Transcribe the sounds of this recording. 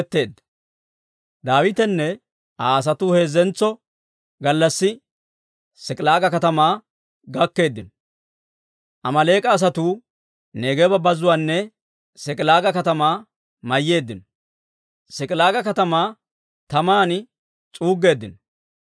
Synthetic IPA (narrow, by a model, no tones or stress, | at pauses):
t̪ːe̞ːd̪ɐ | d̪aːwɪt̪ɛnːɛ | ʔaːɐs̬ɐt̪uːhe̞ːzːɛnt͡sːɔ | ɡɐlːɐsːɪ | sɛkʼɪlaːɡɐkɐt̪ɐmaː | ɡɐkːe̞ːd̪ːɪnɔ | ʔɐmɐle̞ːkʼɐːs̬ɐt̪uː | ne̞ːɡɛbɐbɐzʊwaːnːɛ | sɛkʼɪlaːɡɐkɐt̪ɐmaː | mɐjːe̞ːd̪ːɪnɔ | sɛkʼɪlaːɡɐkɐt̪ɐmaː | t̪ɐmaːn | t͡sʼuːɡːe̞ːd̪ːɪnɔ